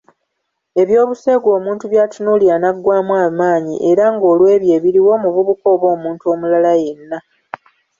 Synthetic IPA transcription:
e̞βjo̞ːβuse̞ːɡo̞ːmuːntuβjaːtunulianaɡːwaːmwaːmaːɲḭʔe̞ɾaŋɡo̞ːlwe̞ːβje̞ːβiɾiwo̞ːmuvuβuko̞ːβo̞ːmuːntuo̞ːmulalaje̞nːa

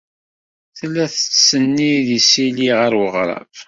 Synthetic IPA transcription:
θlːæθə̥t͡sːsənːiðisiliʁəɾwəʁɾˤɑ̰v

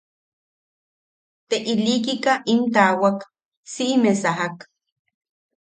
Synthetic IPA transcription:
t̪eʔilikikaʔint̪aːwak | siʔmesaɦak

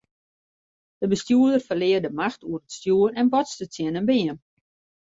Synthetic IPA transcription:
d̥əbəstjuədərfərlɪərdəmaxtuərətstjuərɛnbɔtstətjɪnənbɪən

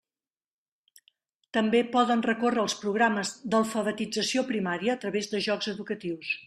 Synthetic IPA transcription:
t̪əmbepɔðənrəkorəːlˠspɾuɣɾaməzd̪əlˠfəβət̪id͡zəsiopɾimaɾiəːt̪ɾəβezðəʒɔɡzəðukət̪iws

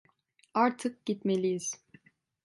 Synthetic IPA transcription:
aɾt̪ʰɯk̚ɟit̪melʲijiz̥

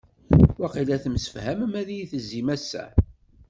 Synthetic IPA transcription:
wæqilæθəmsə̥fhæməmæðijiθəzːimæsːæ̰

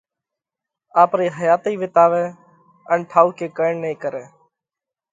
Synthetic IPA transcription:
aːpɾiːɦəjaːt̪iːʋɪt̪aːʋeː | ənʈʰaːuːkeːkəːɪɳniːkəɾeː

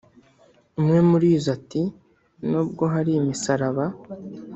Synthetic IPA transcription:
umŋe̞muɾiːzati | nuːb̚ɡo̞ɦaɾimisaɾaβa

